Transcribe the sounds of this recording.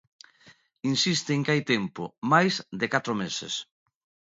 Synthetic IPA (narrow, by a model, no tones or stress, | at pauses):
insist̪eːŋkajt̪empʊmajsd̪ɪkat̪ɾomesḛs